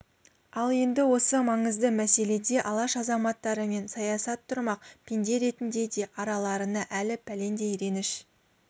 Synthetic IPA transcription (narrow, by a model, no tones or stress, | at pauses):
ɑlˠe̞nd̪ɪwo̞səmɑɴəzd̪əmæse̞le̞d̪e̞ʔɑlˠɑʃɑzɑmɑt̪ːɑɾəme̞nsɑjɑsɑt̪ʰːʊɾmɑq̚pʰʲend̪e̞ɾe̞t̪ɪnd̪e̞d̪e̞ʔɑɾɑlˠɑɾənɑʔælɪpʰæle̞nd̪e̞jɾe̞nɪʃ